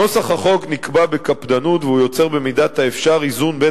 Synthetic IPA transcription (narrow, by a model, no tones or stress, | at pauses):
o̞saχhaχo̞ɡnikbabekapd̪anut̪veujo̞t͡se̞ʁbemidat̪haefʃaʁizunbe